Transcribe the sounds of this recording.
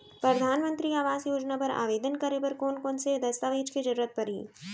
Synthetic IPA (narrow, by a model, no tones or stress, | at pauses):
pɾɐd̪ʱaːnmə̃nt̪ɾiaːʋaːzjoːd͡ʒnapɐɾa̰ːʋeːd̪ənkɐɾepɐɾkoːnkoːnsed̪ɐst̪aʋeːd͡ʒked͡ʒɐɾːət̪̚pɐɾɦḭː